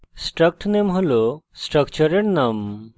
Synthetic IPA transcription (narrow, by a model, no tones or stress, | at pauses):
sʈɾək̚ʈʰnemɦolosʈɾəkt͡ʃɔɾeʈnam